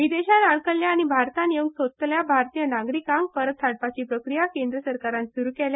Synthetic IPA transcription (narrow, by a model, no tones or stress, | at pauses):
ʋid̪eɕanaɳkəɭjaːɽ̃ibʱaɾt̪aneuŋɡsott̪ljabʱaɾt̪ijənaɡɾikãŋɡ̚pəɾət̪ʰːaɽ̚pat͡ɕiːpɾəkɾijakend̪ɾəsəɾkaɾãnsuɾuːkɛlja